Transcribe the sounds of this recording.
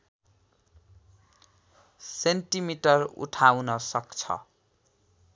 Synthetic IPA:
senʈimiʈʌrṵʈʰawnʌsʌkt͡sʰʌ̰

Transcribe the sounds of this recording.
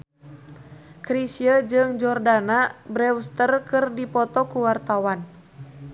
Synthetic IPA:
kɾisiəd͡ʒɨŋd͡ʒɔrdanabɾɛwst̪ərkɨrdipɔt̪ɔkuwart̪awan

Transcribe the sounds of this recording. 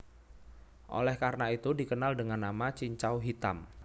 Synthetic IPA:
ʔo̰lɛhkaɾənait̪udikənaldəŋanːamat͡ʃiɲt͡ʃawɦit̪a̰m

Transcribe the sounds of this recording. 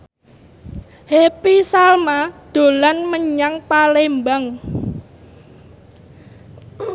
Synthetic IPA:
hepisalmad̪̥o̤lanməɲaŋpalembaŋ

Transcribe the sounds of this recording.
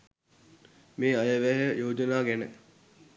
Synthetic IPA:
meːajəʋæɦəjoːd͡ʒənaːɡænə

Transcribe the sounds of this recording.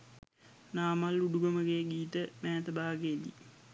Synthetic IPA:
naːmaluɖuɡəməɡeɡiːt̪əmæːt̪əbaːɡeːd̪ḭ

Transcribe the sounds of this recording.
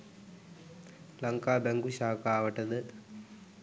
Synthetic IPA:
lɐŋkaːbɛŋɡuʃaːkaːʋəʈɐd̪ə

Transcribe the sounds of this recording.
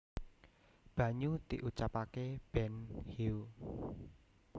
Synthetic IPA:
b̥ä̤ɲud̪iʔut͡ʃapakeb̥ɛnhiu

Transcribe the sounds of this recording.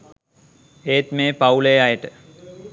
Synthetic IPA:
eːt̪meːpaulejajəʈə

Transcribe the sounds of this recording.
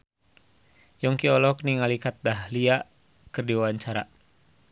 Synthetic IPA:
jɔŋkiɔlɔk̚niŋalikat̪̚dahliaʔ | kɨrdiwawaɲt͡ʃaɾa̰

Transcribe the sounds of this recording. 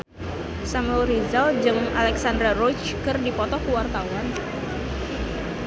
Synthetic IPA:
samɛlɾizald͡ʒɨŋalɛksandɾarɔt͡ʃ | kɨrdipɔt̪ɔkuwart̪awan

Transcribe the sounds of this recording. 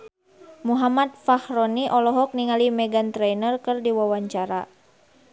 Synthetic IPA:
muɦamat̪̚fahɾɔniʔɔlɔɦɔk̚niŋalimɛɡant̪ɾɛnərkɨrdiwawaɲt͡ʃaɾa

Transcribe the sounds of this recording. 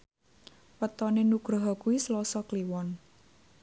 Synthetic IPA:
wət̪ɔnenuɡ̥ɾɔɦɔkuwislɔsɔkliwɔn

